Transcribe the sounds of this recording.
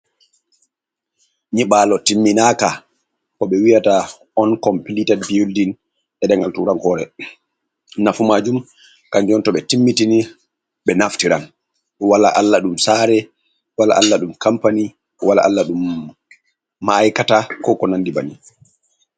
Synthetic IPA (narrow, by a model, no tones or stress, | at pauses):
ɲiɓaːlɔtimːinaka | kɔɓɛwijata | ɔnkɔmpilitɛdbioldin | ɗɛɗɛŋɡaltuɾaŋkɔɾɛ̰ | nafumad͡ʒum | kaɲd͡ʒɔntɔɓɛtimːitini | ɓɛnaftiɾan | wala̰ʔalːaɗumsaːɾɛ | wala̰ʔalːaɗumkampani | wala̰ʔalːaɗum | aːjkatakɔkɔnandibani